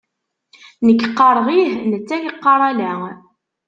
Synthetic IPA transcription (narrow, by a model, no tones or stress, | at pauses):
nəkːqːɑɾˤʁihnət͡sːæjiqːɑɾˤælæ